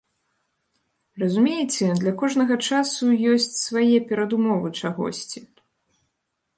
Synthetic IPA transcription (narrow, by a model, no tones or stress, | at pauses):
rɐzumʲejɛt͡sʲɛd̪lʲɐkɔʐnɐɣɐt͡ʂasujɔsʲt͡sʲsvajɛpʲɛɾɐd̪umɔvɨt͡ʂaɣɔ̰sʲt͡sʲi